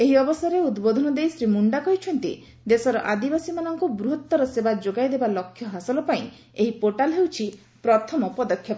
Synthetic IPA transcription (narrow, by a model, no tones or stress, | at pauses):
eɦiɔbɔsaɾeud̪bod̪ʱɔnɔd̪ejsɾimuɳɖakɔɦit͡ʃʰɔnt̪ḭ | d̪esɔɾɔʔad̪ibasimanɔŋkubɾuɦɔt̪ːɔɾɔsebad͡ʒoɡajd̪ebalɔkʰːjɔɦasɔlɔpaĩ | eɦipoʈalɦewt͡ʃʰi | pɾɔt̪ʰɔmɔpɔd̪ɔkʰːjɔp